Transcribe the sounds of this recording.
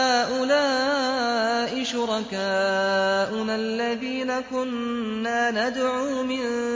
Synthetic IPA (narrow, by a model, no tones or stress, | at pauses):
aːʔʊlaː | ʔɪʃʊɾˤɑkaːʔʊnalːaðiːnakʊnː | aːnad̪ʕuːmɪn